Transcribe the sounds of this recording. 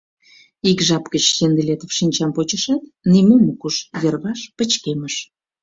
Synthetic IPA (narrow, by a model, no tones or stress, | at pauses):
ikʒɑpkət͡ɕsend̪elet̪ə̆fʃinʲt͡ɕɑmpot͡ɕəʃɑt̪nimomukuʃjərβɑʃpə̆t͡ɕkeməʃ